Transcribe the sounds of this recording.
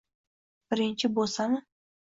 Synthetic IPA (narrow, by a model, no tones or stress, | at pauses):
b̥ɪɾɪnʲt͡ʃɪbosɑmə